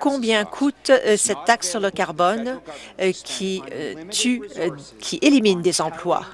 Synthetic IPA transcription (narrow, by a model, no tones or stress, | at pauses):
kɔ̃bjɛ̃kʰut̪sɛt̪ːaksːyʁləkaʁbɔn | kʲʰit̪ykʲʰiʔelimind̪ezɑ̃plwa̰